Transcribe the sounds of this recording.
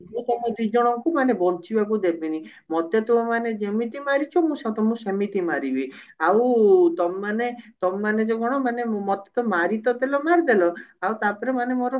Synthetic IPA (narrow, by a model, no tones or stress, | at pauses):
mũt̪ɔmɔd̪id͡ʒɔɽ̃ɔŋkumanebɔnt͡ʃibak̬ud̪ebini | mɔt̪et̪umɔmaned͡ʒemit̪imaɾit͡ʃʰɔmũsat̪ɔmũsemit̪imaɾibiawt̪ɔmːanet̪ɔmːaned͡ʒeɡɔɽ̃ɔmanemɔt̪e̥t̪ɔmaɾit̪ɔd̪elɔmaɾd̪elɔawt̪apɔɾemanemoɾɔ